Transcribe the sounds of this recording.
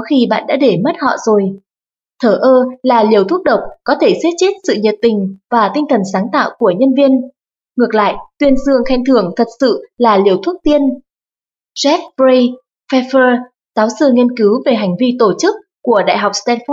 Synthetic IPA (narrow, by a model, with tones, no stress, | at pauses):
xi˧ɓa̰ː˧˨nɗa̰ː˧˥ɗe˧˩mə˦˥t̚hɔ̰˧˨zo˨˩j | t̪ʰəː˧˩ʔəː˧laː˨˩li˨˩əwt̪ʰu˦˥ək̚ɗə˨˩wk͡p̚kɔ˨˦t̪ʰe˧˩se˦˥t̚t͡ɕe˦˥t̚sɨ̰˧˨ɲə˨˩t̚t̪ï˨˩ŋ̟vaː˨˩t̪i˧ŋ̟t̪ʰə˨˩nsaː˨˦ŋt̪a̰ː˧˨wku˧˩əɲə˧nvi˧ən | ŋɨ˨˩ək̚la̰ː˧˨jt̪wi˧ənzɨ˧əŋxa˧jŋ̟t̪ʰɨ˧˩əŋt̪ʰə˨˩t̚sɨ̰˧˨laː˨˩li˨˩əwt̪ʰu˦˥ək̚t̪i˧ən | zɛ˦˥f̚ɹə˧j | fɛ˧fəː˧ | zaː˨˦wsɨ˧˩ŋi˧ənkɨ˨˦wve˨˩ɦa˨˩jŋ̟vi˧t̪o˧˩t͡ɕɨ˦˥k̚ːu˧˩əɗa̰ː˧˨jɦa˨˩wk͡p̚st̪ɛ˧nfɔ˦˥